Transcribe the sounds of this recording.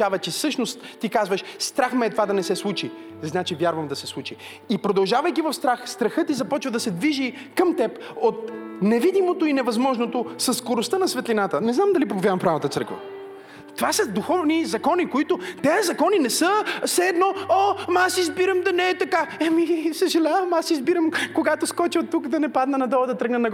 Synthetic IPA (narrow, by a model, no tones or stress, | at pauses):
avɐt͡ʃɛsɤʃnost̪t̪ːikazvəʃst̪ɾaxmɛːt̪ovad̪ɐnɛsɛslˠut͡ʃi | znat͡ʃivʲjaɾvəmd̪ɐsɛslˠut͡ʃi | ipɾod̪ɐlˠʒavəjkʲivɐfst̪ɾaxst̪ɾɐxɤt̪izɐpɔt͡ʃvəd̪ɐsɛd̪viʒi | kəmt̪ɛpot̪̚nɛvid̪imot̪oinɛvɐzmɔʒnot̪osɐsːkoɾost̪ənɐsvɛt̪linat̪ənɛznamd̪ɐlipopovʲjavɐmfpɾavət̪ət̪sɤ̰ɾkvə̰ | t̪ovasəd̪oxɔvnizɐkɔnikoit̪ot̪ɛɐzɐkɔninɛsəsɛːd̪nɔomasizbiɾəmd̪ɐnɛɛt̪ɐkaɛmisəʒɛlʲavəmasizbiɾəmkoɡat̪oskɔt͡ʃɛt̪ukd̪ɐnɛpad̪nɐnɐd̪ɔlˠəd̪ɐt̪ɾɤɡnənɐɡ